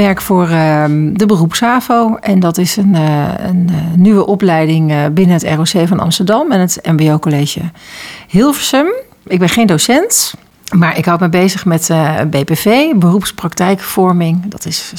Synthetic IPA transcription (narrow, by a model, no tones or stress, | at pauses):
ʋɛɹkfʊːɹədəbərupsaːvowɛndɑtɪsənənːyʋəʔɔplɛjdɪŋbɪnənɦətɛ̰rosejvɑnɑ̰mstəɹdɑmɛnətɛmbeowkoleːʒə̰hɪlˠvəsəm | ɪɡ̚bɛnχejndosɛnt | maːɹʔɪkɦɔwtməbejzəχmɛtbejpevejbərupsprɑktɛjkfɔɹmɪŋdɑtɪs